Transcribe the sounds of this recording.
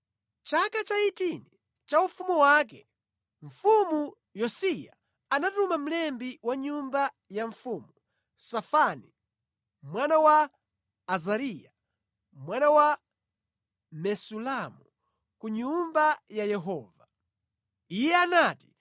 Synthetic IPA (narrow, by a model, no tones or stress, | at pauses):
t͡ʃakat͡ʃaitini | t͡ʃaufumuwak̬ɛ | ɱ̩fumu | jɔsija | anatumam̩lɛmbiwaɲumba | jaɱfuːmu | safani | mwanawaː | zaɾija | mwanawa | mɛsulamu | kuɲumbajajɛɦɔːva | ijɛanati̥